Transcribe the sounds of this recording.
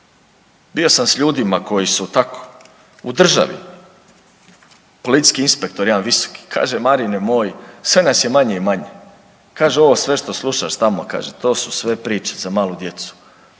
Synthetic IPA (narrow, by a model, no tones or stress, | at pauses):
bio̞samsʎuːd̪imako̞jisut̪ako̥ | ud̪r̩ʒa̰ʋḭ | po̞lit̪i̥skiinspek̚t̪oɾjiaːnʋiso̥ki̥kʰa̰ːʒemaɾinemoːjsʋe̞nasje̞maɲe̞imaɲe | kaːʒeo̞ʋo̞ːsʋe̞ʃt̪oslˠuʃaʃt̪amoaka̰ːʒet̪o̞ːsu̥sʋe̞pɾiːt͡ʃe̥zamaːlˠud̪je̞t̪su̥